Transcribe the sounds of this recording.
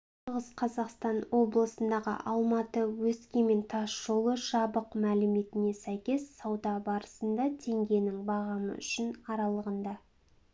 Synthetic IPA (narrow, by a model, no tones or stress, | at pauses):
ʃʁəzqʰɑzɑqst̪ɑnwo̞blˠəsənd̪ɑʁə̰ʔɑlˠmɑt̪əwɵskʲeme̞nt̪ʰɑsʒo̞lˠəʒɑbəqmælɪme̞t̪ɪne̞sæjkʲe̞sːɑwd̪ɑbɑɾəsənd̪ɑt̪ʰe̞ŋɡʲe̞nɪŋbɑʁɑmə̰ʏʃɪnɑɾɑlˠəʁənd̪ɑ